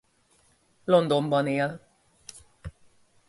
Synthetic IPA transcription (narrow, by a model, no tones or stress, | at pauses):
lond̪ombɔneəl